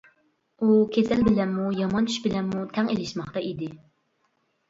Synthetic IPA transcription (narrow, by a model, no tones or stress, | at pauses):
ukʲʰesɛlbɪlɛnːujɑmɑnt͡ʃʰy̥ʃbɪlɛnːut̪ʰɛŋelɪʃmɑχt̪ɑʔid̪ɪ